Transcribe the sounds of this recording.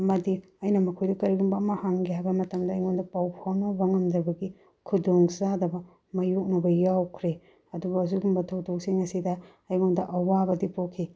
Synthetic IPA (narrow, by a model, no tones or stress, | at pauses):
mɐdi | ɐjnɐmɐkʰojdɐkɐɾiɡumbɐːmɐhaŋɡihajbɐmɐtɐmdɐːjŋondɐpawpʰawnɐbɐŋɐmdɐbɐɡi | kʰudoŋzadɐbɐ | mɐjok̚nɐbɐjawkʰɾe | ɐdubɐːzuɡumbɐtʰɐwtok̚siŋɐsidɐ | ɐjŋondɐʔɐwabɐdipokʰːi